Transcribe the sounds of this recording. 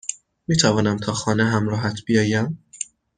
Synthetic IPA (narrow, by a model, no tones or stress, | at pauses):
miːt̪ʰævɒːnæmt̪ʰɒːxɒːneɦæmɾɒːɦæt̪ʰb̥ijɒːjæm